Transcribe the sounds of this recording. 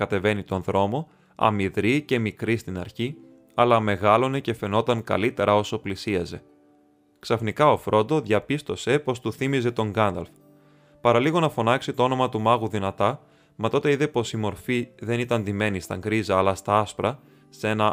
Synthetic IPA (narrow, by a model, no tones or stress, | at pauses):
kɐt̪e̞ve̞nit̪o̞nðɾo̞mo̞ | ɐ̰miðɾice̞mikɾist̪inɐ̰ɾçi | ɐlɐme̞ɣɐlo̞ne̞ce̞fe̞no̞t̪ɐŋkɐ̰lit̪e̞ɾʔɐo̞so̞plisiɐze̞ | ksɐfnikɐo̞fɾo̞nd̪o̞ðʝɐpist̪o̞se̞po̞st̪uθimize̞t̪o̞ŋɡɐnd̪ɐ̰lf | pɐɾɐliɣo̞nɐfo̞nɐksit̪o̞o̞no̞mɐt̪umɐɣuðinɐt̪ɐ | mɐt̪o̞t̪e̞iðe̞po̞simo̞ɾfiðe̞nit̪ɐnd̪ime̞nist̪ɐŋɡɾizɐːlɐst̪ɐɐspɾɐ | se̞nɐ